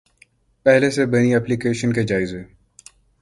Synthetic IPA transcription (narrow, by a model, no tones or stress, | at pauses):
pɛɦlesebɐñiɛplikeːʃənked͡ʒaːɪze